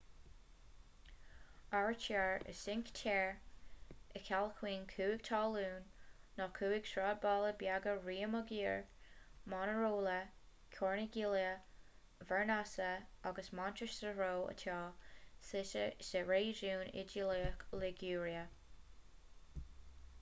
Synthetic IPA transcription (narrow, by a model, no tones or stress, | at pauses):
aɹt͡ʃʰaɹə̰sɪŋktʰɛɹ | əkʰalkʰwiːnkʰuːɪɡ̥̚t̪ʰɑːluːnːɔkʰuːɪɡ̥ʃɹɑːbɑːləbjaɡəɹiːəməɡiːɹmɑnəɹoːlə | kʲʰɔːɹnəɡiljə | vɛɹnasəaɡəsmantɹəʃsəɹoːə̰tʰɑːsɪʃəsɛɹeːʒuːnɪ̰d͡ʒiliəklɪɡuːɹiə